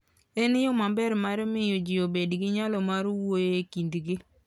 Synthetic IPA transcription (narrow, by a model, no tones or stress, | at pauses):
ɛnɪjomambɛɾmaɾmɪjod͡ʒɪobedɡɪɲalɔmaɾwojekindɡɪ